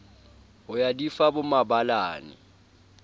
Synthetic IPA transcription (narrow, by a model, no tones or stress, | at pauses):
ʊjadifabʊmabala̰ːnɪ̰